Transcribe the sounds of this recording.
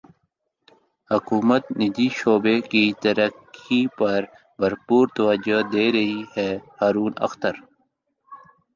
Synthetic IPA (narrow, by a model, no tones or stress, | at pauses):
hʊkuːmət̪nɪd̪iʃoːbekit̪ɐɾəkipɐɾ | bɐɾpuːɾt̪ɐwɐd͡ʒod̪eːɾɐɦihɛhaːɾuːnɐ̰xt̪ɐɾ